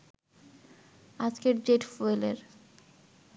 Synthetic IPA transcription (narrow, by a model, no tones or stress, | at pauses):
ad͡ʑkeɾd͡ʑeʈfoelḛɾ